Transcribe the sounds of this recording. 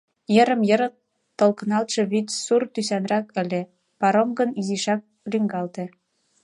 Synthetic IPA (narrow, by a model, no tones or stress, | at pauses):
jəɾə̆mjə̆ɾɤ | t̪ːŏlkɤnɑlt̪ʃɤ̆βyt̪surt̪ysænrɑkə̆lʲe | pɑɾomɡə̆niziʃɑk̚ | lyŋɡɑlt̪ĕ